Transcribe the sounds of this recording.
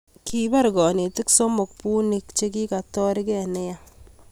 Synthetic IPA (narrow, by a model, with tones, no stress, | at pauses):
kʰi˦ba˦ɾɡɔ˨ne˨tɪ˦kso˦mo˨k̚pu˦ni˦kt͡ʃe˦ki˦ka˨tɔ˦ɾi˦kɛ˦˨ne˦ja˦